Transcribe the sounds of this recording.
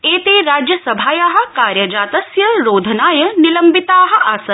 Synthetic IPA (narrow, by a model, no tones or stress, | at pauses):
eːt̪eːɾaːd͡ʒjɐsɐbʱaːjaːɦɐ̆kaːɾjɐd͡ʒaːt̪ɐsjɐɾoːd̪ʱnaːjɐnilɐmbit̪aːɦɐ̆ʔaːsɐ